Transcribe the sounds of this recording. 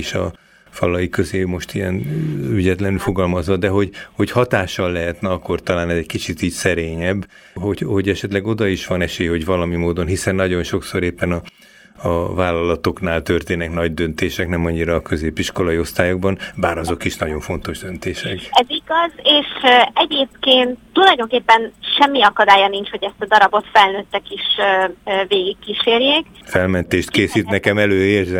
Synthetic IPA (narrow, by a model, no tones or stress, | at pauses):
iʃɒ̰ | fɒlɒjikøzeːmo̞ʃt̪ijɛnyɟɛt̪lɛnylfoɡɒlmɒzʋɒd̪ɛɦo̞ɟho̞chɒt̪aːʃːɒlːɛɦɛt̪nɛɒkːo̞rt̪ɒlaːnɛzɛckit͡ʃit̪iːcsɛɾeːɲɛbː | ɦoɟho̞ɟɛʃɛt̪lɛɡo̞d̪ɒiʃʋɒnɛʃeːjho̞ɟvɒlɒmimoːd̪o̞nɦisɛnːɒɟo̞nʃo̞kso̞ɾeːpːɛnɒː | vaːlːɒlɒt̪o̞knaːlt̪ørt̪eːnɛknɒɟd̪ønt̪eːʃɛknɛmɒɲːiɾɒːkø̞zeːpiʃko̞lɒio̞st̪aːjoɡ̚bɒnbaːɾɒzo̞kiʃnɒɟo̞ɱfo̞nt̪o̞ʒd̪ønt̪eːʃɛkɛziɡɒzeːʃɛɟeːp̚keːnt̪ːulɒjd̪o̞ŋkeːpːɛnʃɛmːiɒkɒd̪aːjɒniɲt͡ʃho̞ɟɛst̪ɒd̪ɒɾɒbo̞t̪fɛlnøːt̪ːɛkiʃ | veːɡikːiʃeːrjeːk | fɛlmɛnt̪eːʃt̪keːsiːt̪nɛkɛmɛløːerzɛ